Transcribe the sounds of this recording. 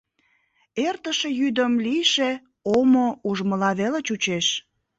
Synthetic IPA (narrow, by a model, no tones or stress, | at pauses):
ert̪əʃe̽jyd̪əmliʃe | omouʒməlɑβelət͡ɕut͡ɕeʃ